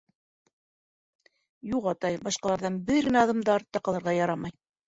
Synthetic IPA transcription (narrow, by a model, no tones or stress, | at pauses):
juʁɑt̪ɑjbɑʃqɑlˠɑɾðɑnbɘɾɡɘ̆næɑðɑmd̪ɑɾt̪ɑqɑ̆lˠɤ̆ɾʁɑjɑɾɑmɑj